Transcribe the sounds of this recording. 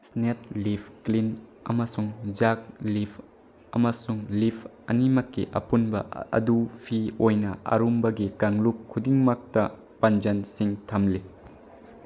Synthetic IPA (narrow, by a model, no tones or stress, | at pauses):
snet̚lipʰklinɐ̰mɐsuŋd͡ʒak̚lipʰ | ɐ̰mɐsuŋlipʰ | ɐ̰nimɐkːiʔɐ̰punbɐ̰ɐ̰dupʰiojnɐʔɐ̰ɾumbɐɡikaŋlukkʰːudiŋmak̚tɐ | pɐnd͡ʒɐnsiŋtʰɐmli